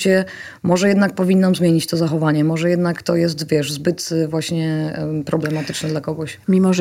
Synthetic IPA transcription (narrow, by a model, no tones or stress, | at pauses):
t͡ɕɛ | mɔʐɛjɛd̪nak̚pɔvʲinːamzmʲjeɲit͡ɕt̪ɔzaxɔvaɲɛmɔʐɛjɛd̪nakt̪ɔjɛs̬t̪vʲjɛʂzbɘt̪vwaɕɲɛpɾɔblɛmat̪ɘt͡ʂnɛd̪lakɔɡɔɕmʲimɔʐ